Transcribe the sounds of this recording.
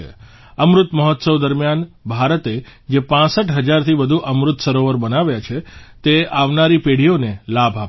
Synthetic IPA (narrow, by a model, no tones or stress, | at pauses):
ḛ | əmɾʊt̪məɦɔt̪səʋd̪əɾmjanbʱaɾət̪ed͡ʒepãsəʈɦəd͡ʒaɾt̪ʰiʋəd̪ʱuʔəmɾʊt̪səɾoʋəɾbənaʋjat͡ʃʰet̪eaʋnaɾipeɽ̤ijonelabʱap